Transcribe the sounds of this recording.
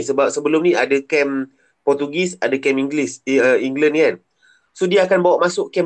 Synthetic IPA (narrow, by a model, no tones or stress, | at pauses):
səbap̚səbəlʊmnĩadəkɛm | pɔrt̪uɡisadakɛmiŋɡlisəiŋɡlənkan | sodiaːkanbawaʔmasʊʔkɛm